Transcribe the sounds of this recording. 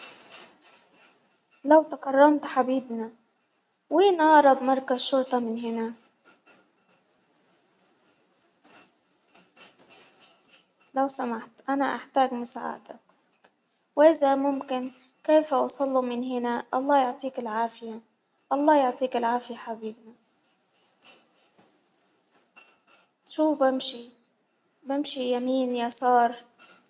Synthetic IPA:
lawt̪akarˤːɑmt̪ħabiːbna | wiːnʔɑʕɾˤɑbmɑɾˤkazʃʊɾt̪ˤɑmɪnɦɪna | lawsamaħt̪ʔanaʔaħt̪aːɡmʊsa̰ːʕa̰t̪ak | wʔɪzamʊmkɪn | keːfawɑsˤɑlːumɪnɦɪnaʔɑlˤːɑːjʊʕt̪ˤiːkɪlʕaːfɪja | ʔɑlˤːɑːjʊʕt̪ˤiːkɪlʕaːfɪjaħabiːbna | ʃuːbɪmʃi | bɪmʃijamiːnjasɑːɾˤ

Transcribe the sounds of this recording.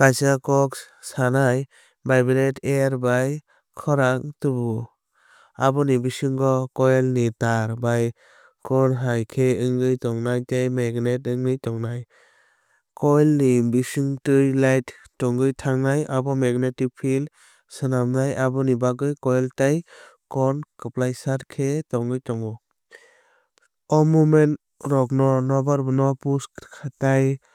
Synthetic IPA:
b̥ajsakɔk | sanaj | bajbiletʰeaɾbaj | kʰɔɾaŋtubu | abɔnibisɯŋɡɔkɔjlnitaɾbaj | kʰɔnɦajkʰeɯŋɡɯjtɔŋnajtejmeɡnetɯŋnɯjtɔŋnaj | kɔjlnibisɯŋtɯɾlajt | tɔŋɡɯjtʰaŋnajabɔmeɡnetipʰil | sɯnamnajabɔnibaɡɯjkɔjltajkɔnkɯplajsaɾkʰetɔŋɡɯjtɔŋɔ | ɔmumen | ɾɔknɔnɔbaɾbnɔpuskʰataj

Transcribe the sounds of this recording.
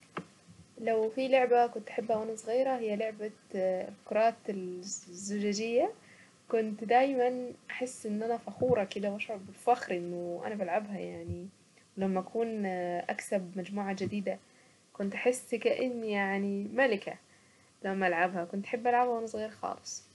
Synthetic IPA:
lawfiloʕbakʊnt̪ʔḁħɪbːhawʔanasˤɣiːɾahɪjːaloʕbalkʊɾˤɑːt̪ɪlzːʊd͡ʒaːd͡ʒɪjːa | kʊnt̪d̪aːjmanʔaħɪsːʔɪnːʔanafaxuːɾˤɑkɪd̪awaʃʕʊbɪlfaxɾʔɪnːʊʔa̰nabalʕabhajaʕni | wlamːʔakʰuːnʔa̰ksabmad͡ʒmuːʕad͡ʒɪd̪iːd̪a | kʊnt̪ʔaħɪsːkaʔɪnːjaʕnimalɪka̰ | lamːʔalʕabhakʊnt̪ʔḁħɪbːʔalʕabhawʔanasˤɣiːɾxɑ̰ːlɨ̥sˤ

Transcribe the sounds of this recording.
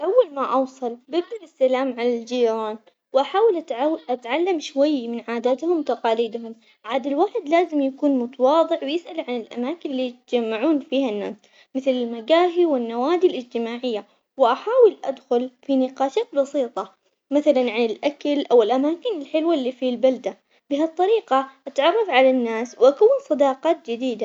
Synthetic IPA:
ʔawːalmaʔɑwsˤɑlbɪd̪ɪlɪsːalaːmʕalald͡ʒiːɾɑːn | wʔaħaːwɪlʔat̪ʕʔat̪ʕalːamʃwajːmɪnʕaːd̪at̪hʊmt̪ɑqɑːliːd̪ɦʊm | ʕaːd̪alwaːħɪd̪laːzɪmjakuːnmʊt̪ɑwɑːðˤɪʕwjɪsʔalʕanɪlʔa̰maːkɪnlːiːjt̪d͡ʒamːaʕuːnfiːhanːa̰ːs | mɪθlɪlmaɡaːɦiwɪnːawaːd̪ilʔɪd͡ʒt̪ɪmaːʕɪjːa | wɪʔaħaːwɪlʔad̪xʊlfinɪqɑːʃaːt̪̚bɑsˤiːt̪ˤɑ | maθalanʕanɪlʔakalʔawɪlʔamaːkɪnɪlħɪlwalːiːfilbald̪a | bɪɦat̪ˤːɑɾiːqɑʔat̪ʕɑrˤːɑfʕalanːaːswʔakawːnsˤɑd̪ɑːqɑːt̪̚d͡ʒɪd̪iːd̪a

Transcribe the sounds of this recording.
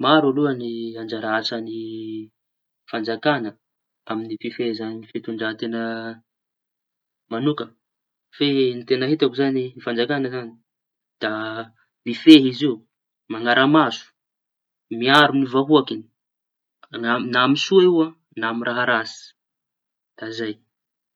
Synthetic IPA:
maɾaluəniand͡ʒaɾaat͡sani | fand͡ʒakanə | aminififezaniifit̪uɳɖ͡ʐaɦt̪enə | manukə | fenit̪enəɦit̪akuzanifand͡ʒakanəzani̥ | d̪̥a | mifeɦizi | maŋaɾʔamasu̥ | miaɾunivaɦuakini̥ | anamisuaua | namiɾʔaɦaɾasi̥ | d̪̥azaj

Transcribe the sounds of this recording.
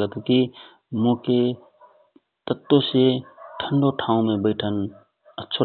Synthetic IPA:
ət̪ki | mõke | t̪ət̪ːoseʈʰəɳɖoʈʰãũmebəɪʈʰən | ətːʃʰo

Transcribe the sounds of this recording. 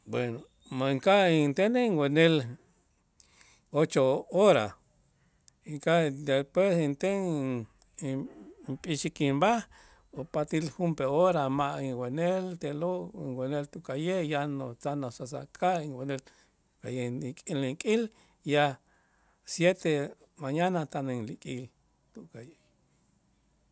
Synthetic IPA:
bweno | maŋkaint̪eneŋɡʷwenel | ot͡ʃooɾa̰ | iŋkad̪espwesint̪eŋ | impʼiʃikimbah | opat̪ilhumpeoɾamaʔiŋwenelt̪eloʔiŋwenelt̪uʔkajejanot͡sanosasa̰kʰʼaiŋwenel | kajeikʼiliŋkʼil | ja | sjet̪e | maɲanat̪anŋlikʼḭl | t̪ukaje

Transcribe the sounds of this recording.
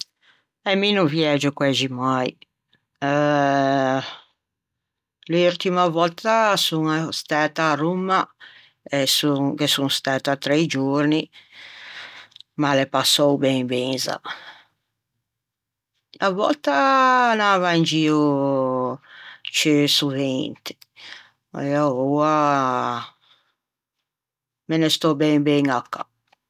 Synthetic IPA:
ɛminuvjɛd͡ʒʊkwɛd͡ʒimaj | luɾt̪imavɔlt̪asuŋst̪aːt̪arumːa | ɛsuŋkesuŋst̪aːt̪at̪ɾɛjd͡ʒouɾni | malepasːɔwbɛŋbɛŋza̰ | avɔ̰lt̪anavaind͡ʒiːu | t͡ʃisuvent̪ɪ̥ | ɛɔua | menest̪ɔbɛŋbɛŋakːa̰

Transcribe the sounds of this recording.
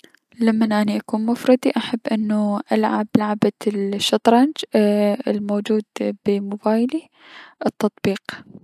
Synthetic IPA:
lamːanʔaniʔakuːnmʊfɾˤɑd̪iʔaħabːʔɪnːuʔalʕablaʕabaʃːɑt̪ˤɾˤɑnd͡ʒɪlmoːd͡ʒuːd̪b̥ɪmʊbaːjli | ʔɨt̪ːɑt̪ˤbiːq

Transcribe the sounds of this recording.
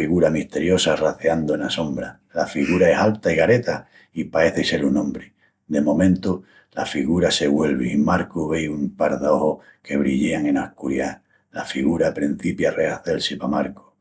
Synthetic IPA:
iɣuɾamiht̪e̞ɾjo̞saraθeand̪oenasõ̞mbɾa | lafiɣuɾae̞salt̪aiɣaɾe̞t̪a | ipae̞θese̞ɾunõmbɾe | d̪e̞mõ̞mẽnt̪u | lafiɣuɾase̞ɣwe̞lβeimaɾkuβejumpaɾðo̞hohkʰe̞βɾiʎeaŋe̞nahkuɾja | lafiɣuɾapɾin̟θipjareaθe̞lsipamaɾku̥

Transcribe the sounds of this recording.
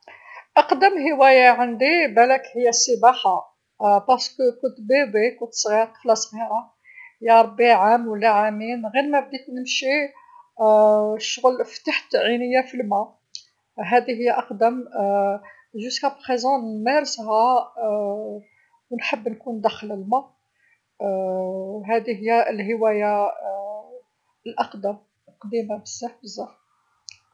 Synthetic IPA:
ʔɑqd̪əmɦəwæjaʕənd̪ibælækhəjːæsːəbaħa | bɑɾskəkʊnt̪bibikʊnt̪sɣiɾflɑsˤbiɾa | jæɾˤbiʕamwəlːæʕaminɣiɾmæb̚d̪it̪nəmʃi | ʃʊɣəlft̪aħt̪ʕinəjːæfilmæ | ɦæd̪iɦəjːæʔɑqd̪əm | ʒʊskæbxizænmæɾˤshæ | wnħəbːnkund̪æxləlmæ | ɦæd̪iɦəjːælɦəwæja | əlʔɑqd̪əm | qd̪imabəzːæħbəzːaħ

